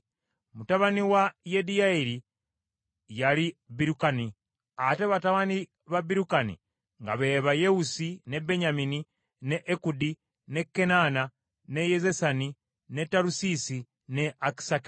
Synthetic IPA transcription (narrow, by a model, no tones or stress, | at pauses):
mutaβaniwajedijaiɾi | jalibiɾukani | ate̞βataβani | βabiɾukanḭ | ŋɡa̰βe̞ːβajeusine̞beɲamini | neʔːkudi | ne̞kːe̞nana | ne̞jezesani | netːaɾusisi | neaki̥saki̥